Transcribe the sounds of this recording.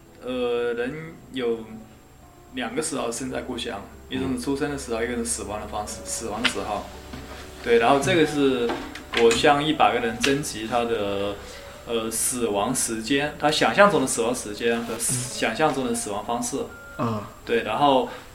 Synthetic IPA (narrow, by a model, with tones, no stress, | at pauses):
ə˧ɻə˧˥njo˨˧˩ʊ | ljɑ˨˩ŋɡə˧˦ʂɻ̩˧˥xo˥˧˩ʊɕjə˥˧nt͡sa̰˥˧ɪku˥˩ɕjɑ̰˥˩ŋ | i˥˩ʈ͡ʂo˧˥ŋʂ̩˥˩ʈ͡ʂʰu˥ʂə˥nd̪ə˨ʂɻ̩˧˥xo˧ʊi˧˥ɡʂ̩˥˩sɹ̩˨˩wɑ˧˥ŋd̪ə˧fɑ˥ŋʂɻ̩˥˩sɹ̩˨˩wɑ˧˥ŋd̪ə˧ʂɻ̩˧˥xo˥˩ʊt̪we˥˩ɪɻa˧˥nxo˥˧ʊʈ͡ʂɤ˥˩ɡə˩ʂɻ̩˥˩wɔ˨˩ɕjɑ˥˧ŋi˥˩pa˨˩ɪɡə˦ɻə˧˥nt͡sə˥nt͡ɕi˧˥t̪ʰa˥d̪ə˨ | ə˧sɹ̩˨˩wɑ˧˥ŋʂɻ̩˧˥t͡ɕjɛ˥nt̪ʰa˥ɕjɑ˨˩ŋɕjɑ˥˧ŋt͡sʊ˥˩ŋd̪ə˩sɹ̩˨˩wɑ˧˥ŋəʂɻ̩˧˥t͡ɕjɛ˥nxɤ˧˥ɕjɑ˨˩ŋɕjɑ˥˧ŋt͡sʊ˥˩ŋd̪ə˩sɹ̩˨˩wɑ˧˥ŋfɑ˥ŋʂɻ̩˥˩˥ | t̪we˥˩ɪɻa˧˥nxo˥˩ʊ